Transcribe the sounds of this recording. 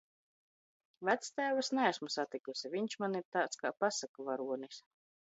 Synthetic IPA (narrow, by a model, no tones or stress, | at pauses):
væt̪st̪æːvasnɛæsmusat̪ikusʲivʲiɲt͡ʃmaniɾt̪aːt̪ska̰ːpasakavaɾuɔnis